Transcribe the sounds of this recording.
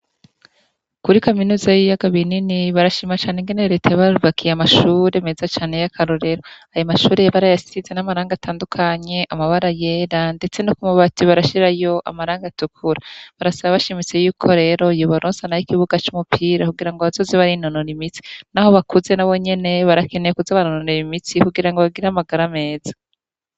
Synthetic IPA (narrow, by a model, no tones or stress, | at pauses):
kuɾikominuːzajijaɡaβininiβaɾaʃimat͡ʃaːneŋɡe̞neɾe̞tʰajaβaɾuβakʰijeamaʃuɾemezat͡ʃaːne̞jakʰaɾo̞ɾe̞ɾoajomaʃuːɾeβaɾajasisizenamaɾaːŋɡatʰaːndukʰaɲe̞ʔamaβaɾajeɾande̞t͡se̞nokumuβatiβaɾaʃiɾajo̞ʔa̰maɾaːŋɡatukʰuɾaβaɾasaβaβaʃimit͡se̞juːkʰo̞ɾe̞ːɾo̞juβaɾoːnsanajikiβuɡat͡ʃumupʰiːɾakuɡiɾaŋɡoβazo̞ːzeβaɾinonoɾimit͡si̥naho̞βakuze̞naβo̞ɲe̞ne̞βaɾakʰe̞nejekuzaβanononoɾimit͡sikuɡiɾaŋɡoβaɡiɾamaɡaɾame̞ːzḁ